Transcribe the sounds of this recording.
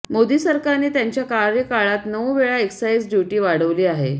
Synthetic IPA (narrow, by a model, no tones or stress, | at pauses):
mod̪iːsəɾkaniːt̪jaɲt͡ɕjakaɾjəkaɭat̪nəʋʋeɭaeksaiːsd͡ʑjuʈiːʋaɽəʋliːaɦe